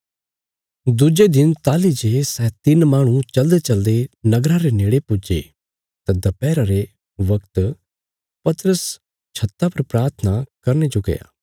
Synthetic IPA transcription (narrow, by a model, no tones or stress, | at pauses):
d̪ʊd͡ʒed̪ɪnt̪aːlid͡ʒeːsɛːt̪ɪnmaːɽ̃ũt͡ʃɐld̪et͡ʃɐld̪enɐɡɾãɾeneːɽepʊd͡ʒḛ | t̪ad̪ɐpɛːɾaɾe | ʋɐkt̪ | pɐt̪ɾəs | t͡ʃʰɐt̪ːapɐɾpɾaːɾt̪ʰənakɐɾned͡ʒoɡɐ̰ja̰ː